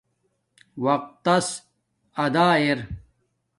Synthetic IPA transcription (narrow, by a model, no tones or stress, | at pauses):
wɐq̚t̪ːɐs | ɐd̪aːeɾ